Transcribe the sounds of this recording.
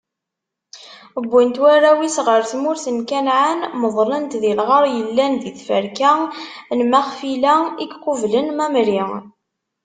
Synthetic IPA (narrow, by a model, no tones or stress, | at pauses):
əbːint̪wæræwisʁəɾθmʊɾθənkænʕanməðˤlənt̪ðilʁəɾˤjəlːænðiθfəɾkænmæχfilæiɡqʊvlənmæmɾi